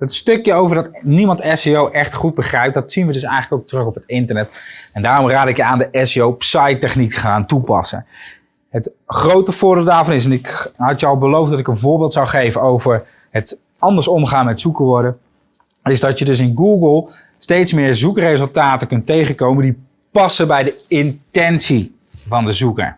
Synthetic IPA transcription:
dɑtstɵkjəowvəɹdɑtnimɑntɛsejowʔɛχtχud̚bəχrɛjp̚dɑtsinʋədɵsɛjxχələkowk̚trøkɔpɦətɪntəɹnɛtɛndaːrɔmraːdɪkjəaːndəʔɛseowpsɑjtɛχnikχaːntupɑ̰sə̰ | ɦət | χrowtəvʊːɹbɪːlˠtdaːɹvɑnɪs̬ɛnɪkɦɑtjəɑlˠbəlowfdɑtɪkənvʊːɹbɪːlˠtsawχejvənowvəɹ | ət | ɑndəɹsɔmχaːnmɛtsukəɹʋɔɹdə | ɪzdɑtjədɵs̬ɪnɡuːɡəlˠ | stejtsmɪːɹzukərejzəlˠtaːtəkɵntejχəkowməndi | pɑsəbɛjdəɪntɛnsi | vɑndəzukə̰ɹ

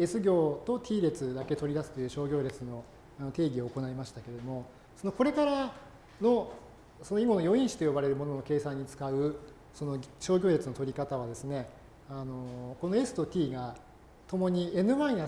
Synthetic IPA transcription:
e̞sɨɡʲo̞ːt̪o̞t̪ʲiːɾe̞t͡sɨd̪ake̞t̪o̞ɾʲid̪asɨ̥t̪o̞jɯ̟ːɕo̞ːɡʲo̞ːɾe̞t͡sɨno̞ | ano̞t̪e̞ːɡʲio̞ːko̞naimaɕi̥t̪ake̞ɾed̪o̞mo̞ | so̞no̞ko̞ɾe̞kaɾa | no̞ | so̞noiɡo̞no̞jo̞ĩɰ̃ɕi̥t̪o̞jo̞baɾe̞ɾɯ̟mo̞no̞no̞ke̞ːsãɲ̟ːit͡sɨ̥kaɯ̟ | so̞no̞ɕo̞ːɡʲoːɾe̞t͡sɨno̞t̪o̞ɾʲikat̪aβ̞ad̪e̞sɨne̞ | ano̞ko̞no̞e̞sɨ̥t̪o̞t̪ʲiːɡa | t̪o̞mo̞ɲ̟ie̞nɯ̟βãɰ̃ĩja

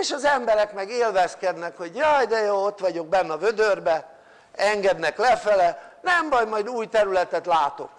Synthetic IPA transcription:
eːʃɒzɛmbɛɾɛkmɛɡeːlvɛskɛd̪nɛkho̞ɟjɒjd̪ɛjoːot̪ʋɒɟo̞ɡ̚bɛnːɒvød̪ørbɛ | ɛŋɡɛd̪nɛklɛfɛlɛnɛmbɒjmɒjd̪uːjt̪ɛɾylɛt̪ɛt̪laːt̪o̞̰k

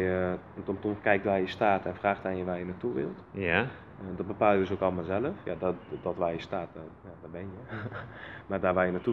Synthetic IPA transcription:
jə | ntɔmtɔmkɛjk̚tʋaːjəstaːtɛnfraːxtanjəʋaːjənatuʋɪ̰lˠtja | dɔt̚bəpaːlˠjədøs̬okɔlˠmaːlˠzɛləfja̰dɔdɔtʋajjəstaːtjadɔbɛnjə | mardaːrʋaːjənatu

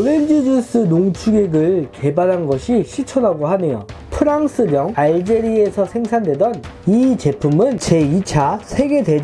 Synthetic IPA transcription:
oɾend͡ʑɯd͡ʑus͈ɯnoŋt͡ɕʰuɡe̞ɡɯɭke̞baɾɦanɡʌɕʰiɕʰit͡ɕʰʌnaɡoɦane̞jo̰ | pʰɯɾaŋsʰɯɾjʌŋaɭd͡ʑe̞ɾiesʰʌsʰe̞ŋsʰandwe̞dʌn | it͡ɕe̞pʰumɯnt͡ɕe̞it͡ɕʰasʰe̞ɡe̞dwe̞d͡ʑ

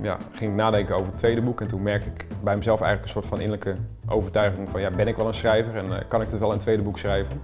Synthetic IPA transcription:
ja̰χɪŋɪknaːdɛŋkəowvərətʋejdəbukɛntunmɛɹk̚tɪkbɛjməzɛlˠfɛ̰jələkənsoːɹtfɑnɪ̰nələkəʔowvərtœɥχɪŋfɔnjabɪnɪkʋɛlˠənsrɛjvərɛnkɑnɪktətʋɛlˠəntʋejdəbuksrɛjvən

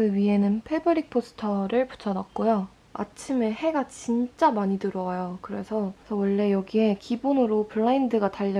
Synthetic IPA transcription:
kɯɥiɦe̞nɯnpʰebɯɾik̚pʰosʰɯ̥tʰʌɾɯɭpu̥t͡ɕʰʌnak̚k͈ojo | a̰t͡ɕʰime̞he̞ɡat͡ɕint͡ɕ͈amaɲitɯɾʌajokɯɾe̞sʰʌsʰʌwʌɭːe̞jʌɡiɦe̞kibonɯɾopʰɯɭːaindɯɡataʎːʌ

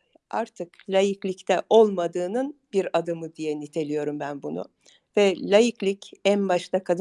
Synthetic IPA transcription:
a̰ɾt̪ʰɯklʲajiclʲict̪ʰɛʔo̞lˠmad̪ɯːnɯnbiɾad̪ɯmɯd̪ijɛnit̪ʰe̞lʲijo̞ɾumbænbunʊ̰ | vɛlʲajiclʲicænbaʃt̪ˠakʰad̪

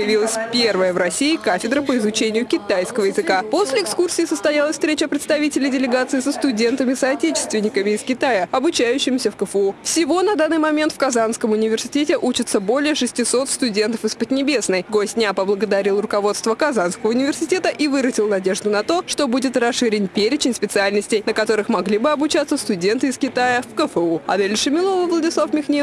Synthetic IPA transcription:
pəjɪvʲilˠəsʲpʲervəjəvɾɐsʲiɪkafʲɪd̪ɾəpəɪzʊt͡ɕenʲɪjʊkʲɪt̪ajskəvəjɪzɨkapo̞sʲlʲɪɪkskursʲɪiːsəst̪ɐjalˠəsʲfst̪ɾʲet͡ɕəpɾʲɪt̪st̪ɐvʲitʲɪlʲɪdʲɪlʲɪɡat̪sɨɪsəst̪ʊdʲe̞nt̪əmʲɪsɐɐtʲet͡ɕɪ̥st̪vʲɪnʲːɪkəmʲɪːskʲɪt̪ajəɐbʊt͡ɕæjʉɕːɪmsʲəfkəfufsʲɪvo̞nɐd̪anːɨjmɐmʲe̞nt̪fkɐzanskəmʊnʲɪvʲɪrsʲɪ̥tʲetʲɪʔut͡ɕɪt̪səbo̞lʲɪjəʂɨsʲtʲɪso̞t̪st̪ʊdʲe̞nt̪əfɨspəd̪ʲnʲɪbʲe̞snəjɡosʲnʲapəblˠəɡəd̪ɐɾʲilˠrʊkɐvo̞t̪st̪vəkɐzanskəvəʊnʲɪvʲɪrsʲɪtʲe̞t̪əʔivɨɾəzʲɪlˠnɐdʲe̞ʐd̪ʊnɐt̪o̞ʂt̪o̞budʲɪt̪rɐsʂɨɾʲɪnʲpʲeɾʲɪt͡ɕɪnʲspʲɪt̪sɨalʲnəsʲtʲɪjnəkɐt̪o̞ɾɨxmɐɡlʲibɨɐbʊt͡ɕat̪sːəst̪ʊdʲe̞nt̪ɨɪskʲɪt̪ajəfkəfəuɐ̰d̪elʲʂɨmʲɪlˠo̞vəvlˠədʲɪslˠafmʲɪxnʲe

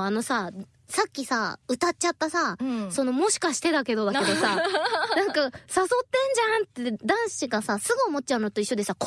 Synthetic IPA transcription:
ano̞sa | sakʲːisaɯ̟t̪at̚t͡ɕat̪ːasaso̞no̞mo̞ɕi̥kaɕi̥t̪e̞d̪ake̞d̪o̞d̪ake̞d̪o̞sanãŋkasaso̞t̪ːẽ̞ɲ̟d͡ʑant̪ːed̪ãɰ̃siɡasasɨɡɯ̟omo̞t̚t͡ɕaɯ̟not̪oiɕːo̞d̪e̞sak

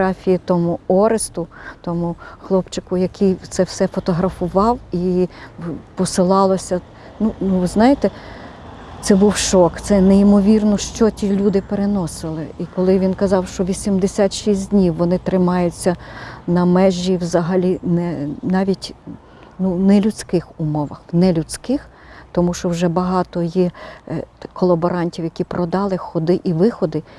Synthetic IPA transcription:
ɑfʲijit̪ɔmʊɔɾɪst̪ʊt̪ɔmʊxlˠɔpt͡ʃɪkʊjɐkʰijt̪sɛwsɛfɔt̪ɔɦɾɐfʊʋɑwi | pɔsɪlˠɑlˠɔsʲɐ | nunuʋɪznɑjet̪ɛ | t̪sɛbuwʃɔkt̪sɛneimɔʋʲirnɔʃt͡ʃɔtʲilʲud̪ɪpeɾenɔsɪlˠɪ̰ikɔlˠɪʋʲinkɐzɑwʃt͡ʃɔʋʲisʲimd̪esʲat̪ʃisʲdʲnʲiwːɔnɪt̪ɾɪmɑjʊt͡sʲːɐnɐmɛʒʲːiwzɐɦɐlʲinɛnɑʋʲitʲ | nunɛlʲʊt͡sʲkɪxʊmɔʋɐxnɛlʲʊt͡sʲkɪx | t̪ɔmuʃt͡ʃɔwʒɛbɐɦɑt̪ɔji | kɔlˠɐbɔɾɑnʲtʲiwjɐkʲipɾɔd̪ɑlˠɪxɔd̪ɪʔiʋɪxɔd̪ɪ

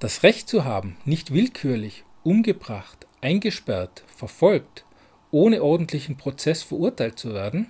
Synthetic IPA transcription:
d̥asʁɛçtt͡suɦaːbm̩nɪçtv̥ɪlkʰyːɐlɪç | ʔʊmɡəbʁaχtʔaɪnɡəʃpɛɐtfɛɐfɔlkt | ʔoːnəʔɔɐdn̩tʰlɪçn̩pʁ̥ot͡sɛsfɛɐʔʊɐtʰaɪlt̚t͡suveːɐdn̩

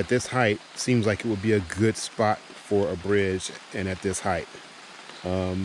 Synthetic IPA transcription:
ɨt̪̚ðɪshaɪt̚sĩmzlaɪkɨt̚wəd̚biɨɡʊd̥spɑt̚fə˞ɨbɹɪd͡ʒɨ̃ñɨt̪̚ðɪshaɪt̚ | ʌ̃m

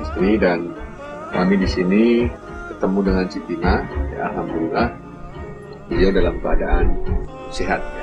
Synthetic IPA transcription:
ist̪ɾidan | kamidisini | bərt̪əmudəŋansit̪imaja̰alɦamdulilah | bijadalamkəadaʔan | seɦat̪̚

